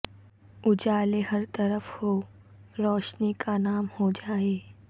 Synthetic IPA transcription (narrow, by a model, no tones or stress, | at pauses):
ʊd͡ʒaːleɦɐɾt̪ɐɾəfho | ɾɔːʃnikanaːmhod͡ʒaːeː